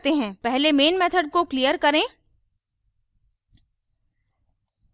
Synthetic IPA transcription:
t̪eɦɛ̃ːpɛɦlemeːnmɛːt̪ʰəɖ̚koklijəɾkɐɾẽː

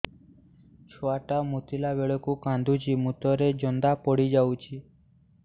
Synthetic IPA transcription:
t͡ʃʰoaʈamut̪ilabeɭɔkukãnd̪ʱud͡ʒimut̪ɔɾed͡ʒɔnd̪apɔɽid͡ʒawt͡ʃʰi

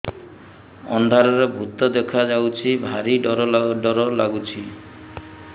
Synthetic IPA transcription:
ɔ̰nd̪ʱaɾɔɾebʱut̪ɔd̪ekʰad͡ʒawt͡ʃʰibʱaɾiɔɾɔɖɔɾɔlaɡut͡ʃʰi

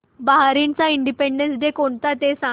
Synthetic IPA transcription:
baɦaɾint͡saiɳɖipeɳɖensd̪ekoɳt̪at̪esa

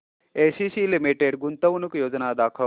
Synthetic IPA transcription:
esisilimiʈeɖɡunt̪əʋnukjoːd͡ʒnad̪aːkʰə

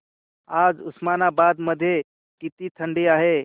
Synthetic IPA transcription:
aːd͡ʒʊsmanabad̪məd̪ʱje | kit̪it̪ʰəɳɖiaːɦe

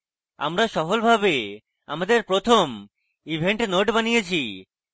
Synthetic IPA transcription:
a̰mɾaʃɔfolbʱabe | a̰mad̪eɾpɾot̪ʰom | ibʱeɳʈnoʈbanijet͡ɕʰi

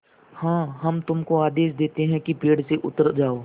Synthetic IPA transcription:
hãːɦɐmt̪ʊmkoaːd̪eːʃd̪eːt̪eɦɛ̃kipeːɽseʔʊt̪əɾd͡ʒaːoː

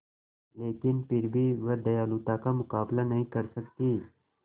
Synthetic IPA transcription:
leːkɪnpɪɾbʱiʋəd̪ɐjaːlut̪akamʊkaːblanɐɦĩkɐɾsɐkt̪iː

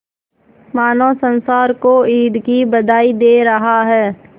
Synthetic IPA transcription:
maːnoːsə̃nsaːɾkoiːɖkibɐd̪aːid̪eːɾɐɦaɦɛː

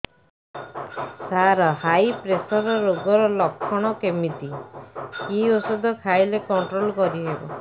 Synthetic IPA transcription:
saɾɔɦajpɾesɔɾɔɾoɡɔɾɔlɔkʰːɔɽ̃ɔkemit̪i | kiosud̪ʱɔkʰajlekɔɳʈɾolkɔɾiɦebɔ̰

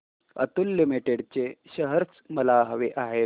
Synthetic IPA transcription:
ə̰t̪ulːimiʈeɽt͡ɕeɕəɦəɾt͡sməlaɦəʋeʔaɦe

